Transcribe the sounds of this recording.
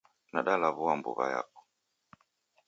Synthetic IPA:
naɗalaβuwambṵɣa̰ja̰kɔ̥

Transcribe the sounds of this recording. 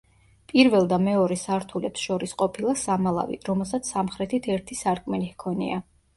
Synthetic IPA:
pʼiɾvɛlˠd̪amɛɔɾɛsaɾt̪ʰulɛpsʃɔɾisqʼɔpʰilˠasamalˠa̰vḭɾɔmɛlˠsat̪sʰsamχɾɛt̪ʰit̪ʰɛɾt̪ʰisaɾkʼmɛlihkʰɔnḭa

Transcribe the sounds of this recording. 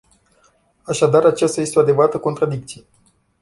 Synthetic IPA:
aʃad̪aɾat͡ʃast̪aje̞st̪eo̞ad̪e̞vəɾat̪əko̞nt̪ɾad̪ik̚t̪sije

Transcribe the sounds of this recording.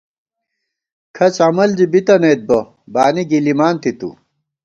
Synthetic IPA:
kʰɐt͡sɐmɐld͡ʑibit̪ɐnejt̪̚bɐ | baːniɡilimaːnt̪it̪ṵ

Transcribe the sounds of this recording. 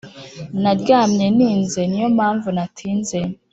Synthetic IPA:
naɾjaːmɲeniːnzenijo̞mhaːɱvunatʰiːnze

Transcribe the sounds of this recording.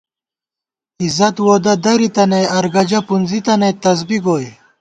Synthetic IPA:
izɐt̪woːd̪ɐd̪ɐɾit̪ɐnejɐɾɡɐd͡ʑɐpunzit̪ɐnet̪ɐzbiɡoːj

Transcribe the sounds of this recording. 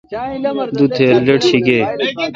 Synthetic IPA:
d̪ut̪ʰeːləʈɕiɡeː

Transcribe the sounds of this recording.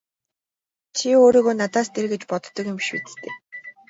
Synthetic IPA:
t͡ɕʰioːɾiːɣoːnat̪aːst̪ʰerɣĕt͡ɕpɔt̪ːɞ̆kɪmʃpḭːt͡sɘ̥̆t̪ʰḛː

